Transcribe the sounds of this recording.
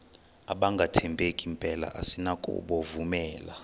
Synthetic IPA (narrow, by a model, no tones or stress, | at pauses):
aɓaŋɡʱatʰɛmbʱekʼimpʼɛla̰ʔasinakʼṵɓɔvumɛːla̰